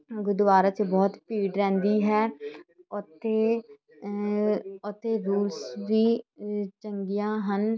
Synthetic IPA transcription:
ɡʊd̪ʋaːɾat͡ʃbɔːt̪piːɖɾɛ̃ːnd̪iːɦɛːɔt̪eː | ʊt̪eːɾuːlsʋiːt͡ʃəŋɡijãːɦən

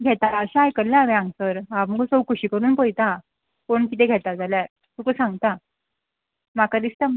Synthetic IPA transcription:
ɡʱet̪aaəɕaajkəɾljãʋeãŋɡsəɾɦam̤əɡosəwkuɕiːkəɾuːnpojt̪a | koɳkit̪ẽɡʱet̪ad͡zalja | t̪ukəsãŋɡ̚t̪a | makad̪ist̪əm

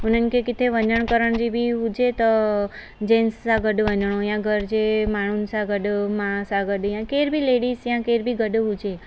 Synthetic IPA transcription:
unənkekit̪ʰeʋənəɳkəɾəɳd͡ʒibʱiɦud͡ʒet̪ɔ | d͡ʒensːaɡəɖʋənəɳ̃õjãɡʱəɾd͡ʒemaɽ̃unsaɡəɖmãsaɡəɖjãkeɾbʱileɽisjãkeɾbʱiɡəɖɦud͡ʒe

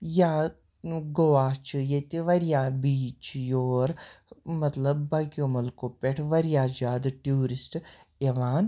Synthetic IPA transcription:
jaː | ɡoʋaːt͡ʃʰɨjet̪iʋɐɾjaːbiːt͡ʃjoːɾmɐt̪lɐbːɐɡjomɐlkoːpeʈʰʋɐɾjaːd͡ʒaːd̪ʈjuːɾisʈ | eʋaːn

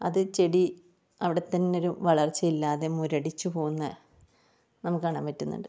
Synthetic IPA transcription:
ɐðɨt͡ɕe̞ɽi | ɐʋiɽe̞t̪ːɐnːeoɾuʋɐɭɐrt͡ɕːɐilːaːðe̞muɾɐɽit͡ɕːupo̞ːɣunːɐ | nɐmukːɨkɐɳaːmpɐtːunːṵɳɖɨ

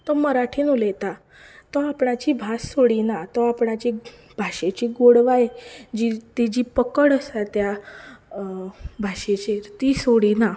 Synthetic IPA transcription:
t̪ɔməɾaʈʰiːnulet̪a | t̪ɔapɳat͡ɕibʱasːoɽinat̪ɔapɳat͡ɕi | bʱaʂet͡ɕiːɡoɽʋaed͡ʑit̪id͡ʑipəkəɽəsat̪ja | bʱaʂet͡ɕeɾt̪iːsoɽina

